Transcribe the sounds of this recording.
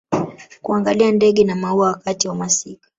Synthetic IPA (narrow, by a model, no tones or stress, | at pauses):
kuaŋɡaliandɛɠɛnamauawakatiwamasikḁ